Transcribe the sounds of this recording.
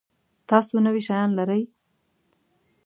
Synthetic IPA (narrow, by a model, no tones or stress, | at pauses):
t̪ɑsonəwiʃajɑnlaɾəj